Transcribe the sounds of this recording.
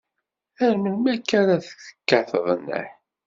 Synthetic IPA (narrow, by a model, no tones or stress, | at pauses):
æɾməlmækːæɾaθə̥θə̥kːaθəðˤənːə̰ħ